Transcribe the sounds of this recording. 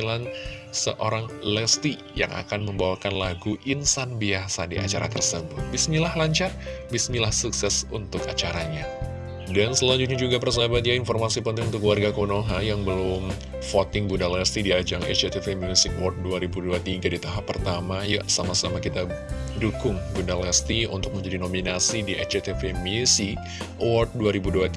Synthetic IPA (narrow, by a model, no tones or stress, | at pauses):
lansə̰ʔoɾaŋlɛst̪i | ja̰ŋʔa̰kanməmbawakanlaɡuʔinsanbiasadḭʔa̰t͡ʃaɾa̰t̪ərsəmbʊt̪̚bismilahlaɲt͡ʃar | bismilahsuksɛsṵnt̪ʊkat͡ʃaɾaɲa | dansəlaɲd͡ʒut̪̚ɲad͡ʒuɡapərs̬abat̪ijainfɔrmasipənt̪ɪŋunt̪ʊkəwarɡakonoɦajaŋbəlʊm | fot̪ɪŋbundalast̪idiad͡ʒaŋɛ̰t͡ʃet̪efemjusɪk̚wɔrt̪̚duaɾibuduat̪iɡadit̪aɦapːərt̪amaja̰samasamakit̪adukʊŋɡundalast̪iṵnt̪ʊk̚məɲd͡ʒadinominasidiɛt͡ʃet̪efemusɪk | wɔrt̪̚duaɾibuduat̪